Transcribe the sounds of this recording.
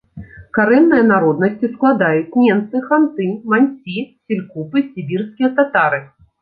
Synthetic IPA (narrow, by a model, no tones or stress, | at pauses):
kaɾɛnːɨjɐnaɾɔd̪nɐsʲt͡sʲisklˠad̪ajut͡sʲmʲɛmt̪sɨxant̪ɨmanʲsʲisʲilʲkupɨsʲibʲirskʲijɐt̪at̪aɾɨ